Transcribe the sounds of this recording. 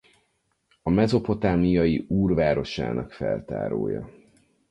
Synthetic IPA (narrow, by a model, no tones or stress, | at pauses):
ɒmɛzo̞po̞t̪aːmijɒjiuːrvaːɾo̞ʃa̰ːnɒkfɛlt̪a̰ːɾoːjɒ̰